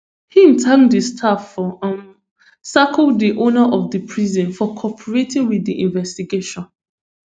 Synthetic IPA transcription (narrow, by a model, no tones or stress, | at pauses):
hĩmtʰãŋdəstʰafɔʔãn | sakɔldːiʔonaʔɔvðəpʰɹizɔ̃nfɔkʰɔpʰəɹetĩŋwiðiʔĩnvɛstiɡeʃɔ̃n